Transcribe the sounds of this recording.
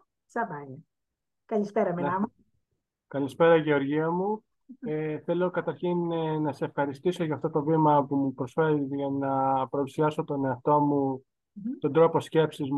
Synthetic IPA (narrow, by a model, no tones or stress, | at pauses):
sɐbɐne | kɐlispeɾɐmenɐmu | kɐlispe̞ɾɐiʝe̞o̞ɾʝiɐmu | eθe̞lo̞kɐt̪ɐɾçinnɐsesefxɐɾist̪iso̞ʝɐːft̪ot̪o̞vimɐpumupɾo̞sfe̞ɾiʝɐnɐpɾɐusiɐso̞t̪o̞ne̞ɐft̪o̞mu | t̪o̞nd̪ɾo̞po̞sce̞psizm